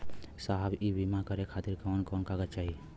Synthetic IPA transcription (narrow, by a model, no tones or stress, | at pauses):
saɦbibimakəɾekʰat̪iɾkankɔnkaɡət͡ʃaːɦi